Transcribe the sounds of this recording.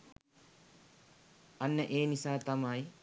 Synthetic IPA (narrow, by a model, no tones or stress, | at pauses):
ɐnːəʔeːnisaːt̪ɐmaj